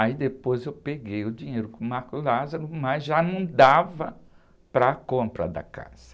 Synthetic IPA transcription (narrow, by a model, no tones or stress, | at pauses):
aid̪epojzewpeɡejʊd͡ʒiɲejɾʊkõmaɾkʊlazaɾʊmɐzʒanɐ̃w̃d̪avɐ | pɾɐkõmpɾɐ̰d̪ɐ̰ka̰z̥ɐ